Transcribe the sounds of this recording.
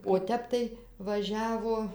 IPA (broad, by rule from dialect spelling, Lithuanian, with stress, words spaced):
oː ˈtʲɛp tɐɪ ʋɐˈʒʲæːʋoː